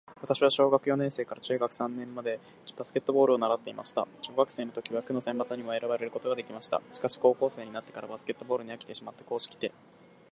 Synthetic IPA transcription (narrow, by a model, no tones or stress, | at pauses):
βat̪aɕiβaɕio̞ːɡakɯ̟jo̞nẽ̞ɰ̃se̞ːkaɾat͡ɕɨ̟ːɡakɯ̟̥sãnːẽ̞mːad̪e̞ | b̥asɨ̥ke̞t̪ːo̞bo̞ːɾɯo̞naɾat̪ːe̞imʔa̰ɕi̥t̪a̰ɕo̞ːɡakɯ̟̥seːnot̪o̞kʲiβakɯ̟no̞sẽ̞mbat͡sɨɲ̟imo̞e̞ɾaβaɾe̞ɾɯ̟ko̞t̪o̞ɡad̪e̞kʲimaɕi̥t̪a̰ɕi̥kaɕi̥ko̞ːko̞ːse̞ːɲ̟inat̪ːe̞kaɾabasɨ̥ke̞t̪ːo̞bo̞ːɾɯ̟ɲ̟iakʲi̥t̪e̞ɕimat̪ːe̞̥ko̞ːɕi̥kʲi̥t̪e̞